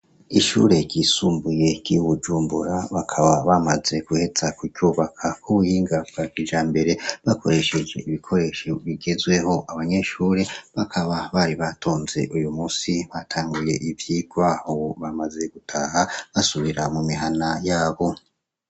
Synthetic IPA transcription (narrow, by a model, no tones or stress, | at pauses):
iʃṵɾe̞ɟ̥isuːmbuje̞ɡ̥iuβud͡ʒuːmbṵɾaβakʰaβaβamaze̞ɡuhe̞t͡sakuuːβakʰakʰuβujiːŋɡavɡakid͡ʒaːmbe̞ɾe̞βakʰo̞ɾe̞ʃe̞d͡ʒe̞ʔiβikʰo̞ɾe̞ʃoβiɡe̞zɡwe̞ho̞ʔaβaɲe̞ʃuːɾe̞βakʰaβaβaɾiβatʰo̞ːnze̞̰ʔujumuːsiβatʰaːŋɡuje̞ʔivjiɡwaːho̞βamaze̞ɡ̥utʰaɦaβasuβiɾamumiɦanajaːβo̞